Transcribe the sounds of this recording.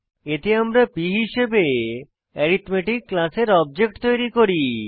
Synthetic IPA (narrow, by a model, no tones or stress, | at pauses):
et̪eamɾapiɦiʃebe | ɛɾit̪meʈikːlaseɾɔb̚d͡ʑek̚ʈt̪ojɾikoɾi